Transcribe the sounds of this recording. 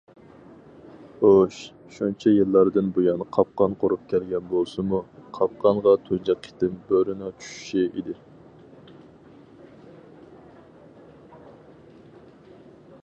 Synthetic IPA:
oʃ | ʃunt͡ʃʰɛjɨlˠːɑɾd̪ɨnbojɑnqʰɑp̚qɑnqʰoɾup̚kʲʰælɡʲɛnbolˠsɨmuqʰɑp̚qɑŋʁɑt̪ʰond͡ʒɛqʰi̥t̪ɪmbøɾɪnɑt͡ʃʰy̥ʃy̥ʃiʔid̪ɪ

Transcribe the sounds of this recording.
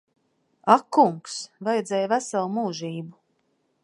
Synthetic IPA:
akːuŋksvajɛd̪zʲɛjvæsalˠmuːʒiːbu

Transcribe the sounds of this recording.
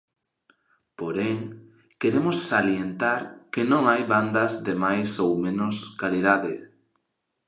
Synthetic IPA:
poɾeŋ | keɾemosːaljent̪aɾkenõŋajβand̪ɐzðemajsowmẽnoskalið̞aðɪ

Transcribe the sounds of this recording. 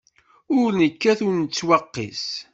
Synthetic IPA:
ʊɾnəkːæθʊɾnət͡sːwɑqːḭs

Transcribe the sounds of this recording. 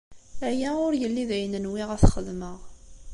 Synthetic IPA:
æjæʊɾjəlːiðæjənənwiʁæθχəðməʁ

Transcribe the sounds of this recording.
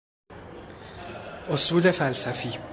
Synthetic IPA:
osuːd̪efælsæfi

